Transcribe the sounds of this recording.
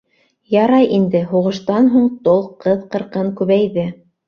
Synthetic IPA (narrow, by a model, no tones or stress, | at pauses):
jɑɾɑjʔind̪ɘɦuʁɤ̆ʃt̪ɑnɦuɴt̪olˠqɤðqɤ̆ɾqɤɴkʉβæjðɘ